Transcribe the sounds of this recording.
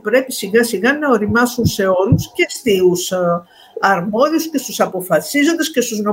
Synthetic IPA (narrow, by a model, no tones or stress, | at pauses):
pɾe̞pisiɣɐsiɣɐnɐo̞ɾimɐsunse̞o̞luscest̪ius | ɐɾmo̞ðiusce̞st̪usɐpo̞fɐsizo̞nd̪esce̞st̪uzno